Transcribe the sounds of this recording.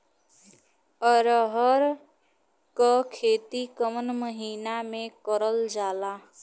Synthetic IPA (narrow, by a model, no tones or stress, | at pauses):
əɾəɦəɾ | kakʰeːt̪ikəmənməɦiːnamẽkəɾəld͡ʒaːlaː